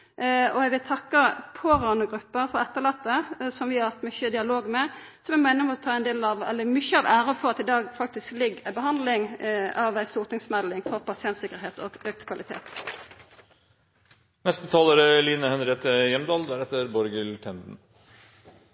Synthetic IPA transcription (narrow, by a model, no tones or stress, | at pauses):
ɔɛɡʋɪlt̪ʰɑkːəpʰoɾɑnəɡʁʉpːəfɔɾɛt̪ːəlɑt̪ːəsɔmʋɪhɑɾhɑt̪mʏçəd̪ɪɑloːɡmɛ | sɔmɛmæɪnːəmɔt̪ʰɑːɛnd̪eːlɑʋɛ̰lːəmʏçəɑʋʔæːɾəfɔʁɑt̪ɪd̪ɑːɡfɑk̚t̪ɪsklɪɡæɪbəɦɑnd̪lɪŋɑʋæɪst̪uːʁt̪ʰɪŋsmɛd̪lɪŋkʰɔpʰɑsɪɛnt̪sɪkːəʁɾheːt̪ɔɡøːk̚t̪kʰʋɑlɪt̪ʰḛːt̪ | nɛst̪ət̪ʰɑːləɾəliːnəhɛnɾet̪əjɛmd̪ɑːld̪æɾɛt̪ːəɾbɔɾɡəlʈʰɛnd̪n̩